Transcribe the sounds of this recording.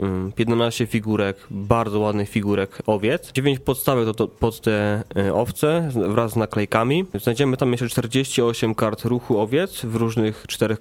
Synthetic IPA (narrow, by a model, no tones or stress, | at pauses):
pʲjɛd̪nanaɕt͡ɕɛfʲiɡuɾɛkbaɾd̪zɔwad̪nɘxfʲiɡuɾɛkɔvʲjɛt̪sd͡ʑevʲjeɲt͡ɕpɔt̪st̪avɛkt̪ɔt̪ɔpɔt̪ːɛʔɔft̪sɛvɾazːnaklɛjkamʲiznajd͡ʑɛmɘt̪amjɛʂt͡ʂɛt͡ʂt̪ɛɾd͡ʑeɕt͡ɕiɔɕɛmkaɾt̪ɾuxuɔvʲjɛt̪svɾuʐnɘxt͡ʂt̪ɛɾɛx